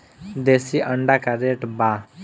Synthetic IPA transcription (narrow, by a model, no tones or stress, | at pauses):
d̪esiʔəɳɖakaɾeʈba